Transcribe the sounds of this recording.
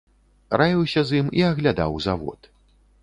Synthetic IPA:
rʔajʲiwsʲɐzimiɐɣlʲad̪a̰wzavɔ̰t̪

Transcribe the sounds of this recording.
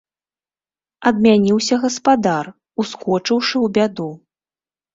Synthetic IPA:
ɐd̪̚mʲanʲiwsʲɐɣɐspad̪ar | uskɔt͡ʂɨwʂɨwbʲad̪u

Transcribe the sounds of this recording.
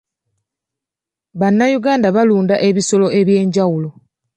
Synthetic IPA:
βanːajuɡaːndaβaluːndaʔe̞βiso̞lo̞e̞βje̞ːɲɟawulo̞

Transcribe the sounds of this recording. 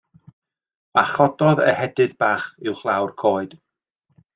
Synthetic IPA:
aχɔdɔðə̰hɛdɨðbaːχɪwχlˠawrkʰoːɨd̥

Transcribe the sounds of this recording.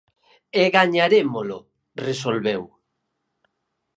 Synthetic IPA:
eɣaɲaɾemolo | resolβew

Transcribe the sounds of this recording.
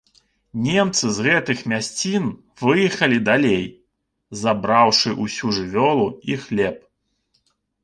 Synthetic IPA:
nʲɛmt̪sɨzɣɛt̪ɨxmʲasʲt͡sʲin | vɨjixɐlʲid̪alʲej | zabɾawʂɨʔusʲuʐɨvʲɔlˠuixlʲɛp̚

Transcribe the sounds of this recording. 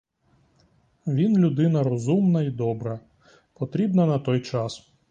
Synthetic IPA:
ʋʲinlʲud̪ɪnɐɾɔzumnɐid̪ɔbɾɐ | pɔt̪ɾʲibnɐnɐt̪ɔjt͡ʃɑs

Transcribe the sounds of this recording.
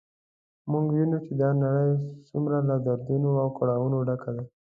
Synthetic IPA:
muŋɡwinut͡ʃed̪ɑnaɽəjsumɾalad̪aɾd̪unoawkaɽɑwunoɖakʰad̪a

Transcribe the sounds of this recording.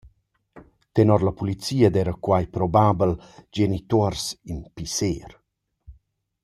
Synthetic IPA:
t̪ɛnɔɾlapulit͡siːəd̪ɛɾəkwajpɾɔbaːbəld͡ʒenit̪oɾsinpiseːɾ

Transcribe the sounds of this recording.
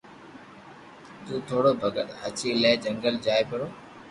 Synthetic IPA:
t̪uːt̪ʰoːɽobʱəɡəʈ̪ɦɐt͡ɕiləːɪd͡ʑə̃ŋɡəld͡ʑaːepɐɾoː

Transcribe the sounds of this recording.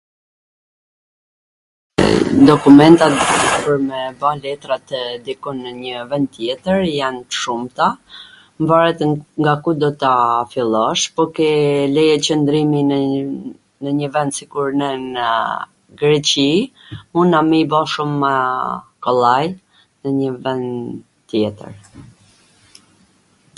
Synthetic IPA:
d̪ɔkumɛnt̪apəɾmɛbalɛt̪ɾat̪əd̪ikɔnːəɲəvɛnd̪̚t̪ːjɛt̪əɾjant̪ə̥ʃumt̪a | mbaɾɛt̪ŋɡakud̪ɔt̪afilˠɔʃpɔkɛlɛjɛt͡ɕənd̪ɾimi | nəɲəvɛnd̪sikuɾnɛnə | ɡɾɛt͡ɕi | munamibɔʃumːəkɔlˠaj | nəɲəvɛnd̪ | t̪jɛt̪ə̰ɾ

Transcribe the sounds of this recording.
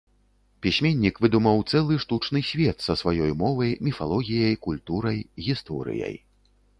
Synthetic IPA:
pʲisʲmʲenʲːikvɨd̪umɐwt̪sɛlˠɨʂt̪ut͡ʂnɨsʲvʲɛt̪sɐsvajɔjmɔvɐjmʲifalˠɔɣʲijɐjkulʲt̪uɾɐjɣʲist̪ɔɾɨ̰jɐ̰j

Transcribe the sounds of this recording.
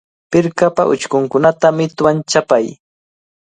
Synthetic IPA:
pɪɾkapaʔʊ̰t͡ʃkʊŋkʊnat̪amɪt̪want͡ʃapaj

